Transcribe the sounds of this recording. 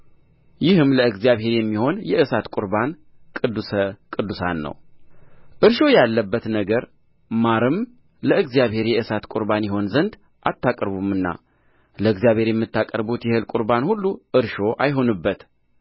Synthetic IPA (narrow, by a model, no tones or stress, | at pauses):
jɪhɨmləɨɡzjaβhe̞ɾjɛmːiho̞njɛʔɨsat̪kʼʊɾban | kʼɨd̪ːusəkʼɨd̪usa̰nːə̰w | ʔɨɾʃo̞jalːəbːət̪nəɡəɾ | maɾɨm | ləɨɡzijaβhe̞ɾjɛʔɨsat̪kʼʊɾbanjɪɦo̞nzənd̪ | ʔat̪ːakʼəɾβumːɨnːa̰ | ləɨɡzijaβhe̞ɾjɛmːɨt̪ʰːakʼə̰ɾbut̪jɛhɨlkʼuɾbanhulːuʔɨɾʃo̞ʔajɦo̞nɨbːət̪